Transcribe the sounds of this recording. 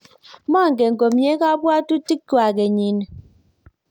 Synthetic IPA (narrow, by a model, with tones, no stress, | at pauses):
mɔ˦˨ŋ˨ɡe˨ŋ̩˨ɡo˨mɲe˦ka˦bwa˦tu˦ti˦kka˨ɡe˨ɲi˨n˨